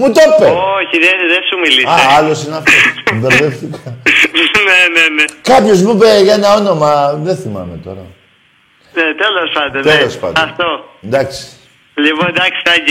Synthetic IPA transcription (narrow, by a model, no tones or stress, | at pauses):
mut̪opːeoçiðeðesumilisɐɐlo̞sineɐft̪osud̪eɾðeft̪ikɐ | nenenekɐpço̞zmubeʝɐenɐo̞no̞mɐðeθimɐ̰met̪o̞̰ɾɐ̰ | net̪elospɐnd̪ot̪elospɐ̰ndɐft̪ond̪ɐksi̥ | lipod̪ɐksi̥t̪ɐɟi